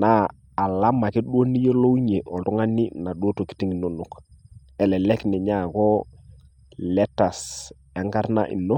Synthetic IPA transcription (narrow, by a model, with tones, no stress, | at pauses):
naː˦˨ | la˦ma˨kɪ˦ɗu˦o˦ni˦je˦lo˦wɲe˨ʔɔ˨dɔ˦ŋa˦nɪ˦na˨ɗwo˦to˨ki̥˦ti˦ŋi˨no˦no˨k | ɛ˨lɛ˨lɛ˦knɛ˨ɲa˦˨kɔ˦ | lɛ˦ta˨s | a˨˦ŋɡa˦ɾna̰˦ʔḭ˨no˦